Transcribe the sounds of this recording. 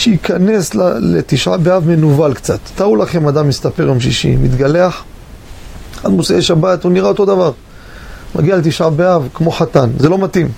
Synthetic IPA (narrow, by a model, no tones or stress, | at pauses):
ʃeikʰane̞slalet̪iʃʕa̰beavmenuvalkt͡sa̰t̪ːaulaχe̞mad̪amist̪ape̞ʁjomʃiʃḭmit̪ɡale̞aχ | a̰d̪moseeʃabat̪uniʁaot̪o̞d̪avaʁ | ma̰ɡialet̪iʃʕabeavkmo̞χat̪anzelo̞mat̪im